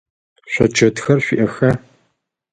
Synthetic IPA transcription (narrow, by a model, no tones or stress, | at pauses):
ɕʷɔ̰t͡ʃʰɐdxɐrɕʷiʔɐxɐ